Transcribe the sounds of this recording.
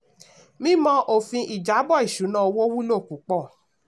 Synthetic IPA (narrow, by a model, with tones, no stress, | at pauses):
mĩ˦mɔ̃˦ʔo˦˨fĩ˧ʔi˨d͡ʒa˨˦bɔ˦˨i˨ʃu˨˦nã˦˨o˧wo˦wu˦lo˦˨ku˨˦k͡pɔ˦˨